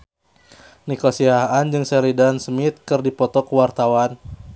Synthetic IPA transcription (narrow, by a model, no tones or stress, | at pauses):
nikɔsiahand͡ʒɨŋsɛɾidansmit̪̚kɨrdipɔt̪ɔkwart̪awan